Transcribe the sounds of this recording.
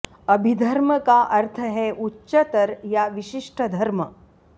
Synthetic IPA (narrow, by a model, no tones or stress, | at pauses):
əbʱid̪ʱɐɾməkaʔɐɾt̪ʰəɦɛʔutːɕət̪əɾjaʋiɕiʂʈʰəd̪ʱɐɾmə